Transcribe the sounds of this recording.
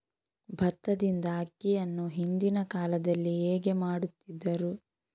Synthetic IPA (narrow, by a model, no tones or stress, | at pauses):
bʱɐt̪ːɐd̪ind̪ɐɐkːijɐnːuɦind̪inɐkaːlɐd̪ɐlːieːɡe̞maːɽut̪ːid̪ːɐɾu